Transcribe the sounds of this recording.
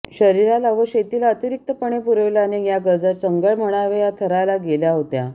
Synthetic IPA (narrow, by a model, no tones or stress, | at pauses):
ɕəɾiɾalaʋəɕet̪ilaət̪iɾik̚t̪əpəɳ̃epuɾəʋilanejaɡəd͡zat͡səŋɡəɭm̤əɽ̃aʋejat̪ʰəɾajlaɡeljaɦot̪ja